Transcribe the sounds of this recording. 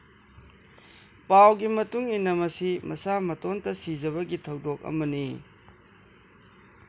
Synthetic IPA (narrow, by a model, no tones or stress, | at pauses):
pawɡimɐtuŋinɐmɐsimʔɐsamɐtontɐsizɐβɐɡitʰɐwdok̚ɐ̰mɐni